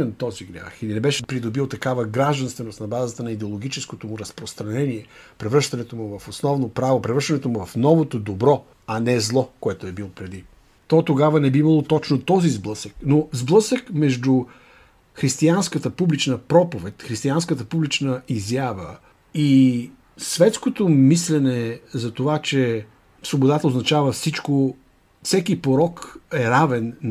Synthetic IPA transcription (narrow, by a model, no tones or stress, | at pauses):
ɛnt̪ɔziɡɾʲa̰xilinɛbɛʃɛpɾid̪obilˠt̪ɐkavəɡɾaʒd̪ɐnst̪vɛnost̪nɐbazət̪ənɐid̪ɛolˠoɡ̟it͡ʃɛskot̪omʊɾɐspɾost̪ɾɐnɛniɛpɾɛvɾəʃt̪ɐnɛt̪omʊvɐfosnɔvnopɾavopɾɛvɾəʃt̪ɐnɛt̪omuvɐfnɔvot̪od̪obɾɔ | ɐnɛzlˠɔkoɛt̪oɛbilˠpɾɛd̪i | t̪ɔt̪oɡavənɛbiimɐlˠot̪ɔt͡ʃnot̪ɔzizblˠɤsəknozblˠəsəkmɛʒd̪u | xɾist̪ianskət̪əpublit͡ʃnəpɾɔpovɛt̪ʲxɾist̪ianskət̪əpublit͡ʃnəizjavə̰ | i | svɛt̪skot̪omislɛnɛzɐt̪ovat͡ʃɛ | svobod̪at̪əoznɐt͡ʃavəfsit͡ʃko | fsɛkipoɾɔkɛɾavɛn